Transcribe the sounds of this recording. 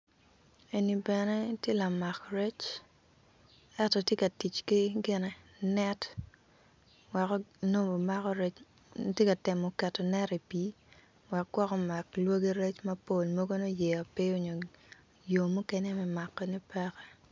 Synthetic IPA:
e˨ni˨bɛ˨nɛ˦tje˦la˨ma˨kɾɛ˦t͡ʃ | ɛ˦tɔ˨tje˦ka˨ti˨t͡ʃkɪ˦ɡɪ˦nɛ˨ | nɛ˦t | wɛ˨kɔ˦no˦mo˨ma˦kɔ˦ɾɛ˦t͡ʃ | tje˦ka˨tɪ˨mɔ˨kɛ˨tːɔ˨nɛ˦ɾi˨pi˦ | wɛ˨k̚ɡ̥wɔ˦kɔ˦ma˨klwo˦ɡe˦ɾɛ˦t͡ʃmɐ˦po˦˨lmo˦ɡo˦no˦jɛ˨ɔ˨pɪ˦o˨ɲo˨ | jo˨mu˦kɛ˦nɛ˦mɛ˦ma˨kːɛ˦ni˦pɛ˦kɛ˦

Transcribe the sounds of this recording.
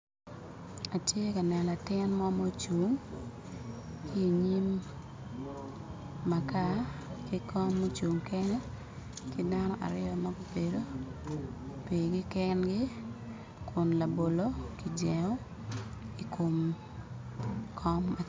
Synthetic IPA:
a˨tje˦ka˨nɛ˨na˨tɪ˦nmɔ˦mo˦t͡ʃu˨ŋ | ki˦˨ɲi˦m | a˨ka˦ki˦kʰɔ˦mːo˦t͡ʃu˨ŋkɛ˦nɛ˦ | kɪ˦da˦nɔ˦ʔa̰˨ɾɪjɔ˨ma˦ɡo˦pe˨do˦ | pe˨ɡɪ˦kɛ˦nɡɪ˦ | kʰʊ˨nla˨bo˨lo˦ki˨d͡ʒɛ˨ŋɔ˦ | i˨kʰo˨m | kʰɔ˦mːa

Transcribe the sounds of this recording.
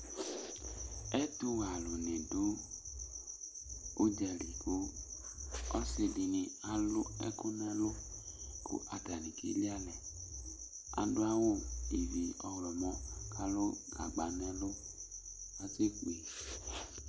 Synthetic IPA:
ɛ˦tu˦ɣa˨lo˨ne˨dʊ˦ | d͡ʒɛ˨ɾi˨ko˦ | ɔ˦se˧di˨ni˨a˨lʊ˦ɛ̰˦ku˦nɛ˦lʊ˦ | ko̰˦ʔa˨da˨ni˨kḛ˦li˦a˦lɛ˨ | a̰˨dʊ˦a˦wo˦˨i˨vi˨ɔ˨wlɔ˨mɔ˦kʰa˦lo˦ɡa˨ɡ͡ba˨nɛ˦lʊ˦ | a˨ze˦k͡pe˨

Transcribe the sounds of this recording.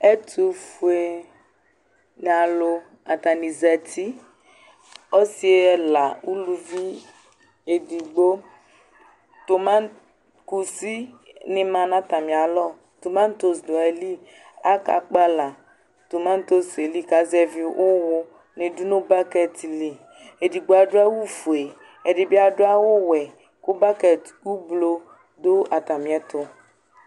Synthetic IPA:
ɛ˦tʰu˨fu˨e˨ | n˨a˨lo˧ | a˨ta˨nĩ˨zɛ˨tʰi˦ | ɔ˦si˦e˦ɛ˨la˨u˦lu˨vi˦ | e˨di˨ɡ͡bo˦ | to˨mã˦n˦ | ku˨si˦ | nɪ̃˨mã˨nã˦ta˨mĩ˨a˨lɔ˦˨ | to˨mã˦n˦to˦sdo˨ɛ˨li˦ | a˦ka̰˨k͡pa˦la˨ | to˨ma˦n˦to˦se˨li˦ka˨˦zɛ˦vi˨ʔʊ˦wʊ˦ | nɪ̃˨dʊ˦nʊ̃˦ba˦kɛ˦ti˨li˨ | e˨di˨ɡ͡bo˨˦a˨dʊ˦a˦wu˦fu˨e˨ | ɛ˨dɪ˨bi˦a˦dʊ˦a˦wʊ˦wɛ˨ | kʊ˦ba˦kɛ˨t | u˦blo˨ | dʊ˦a˨ta˨mĩ˨ɛ˦tʊ˦

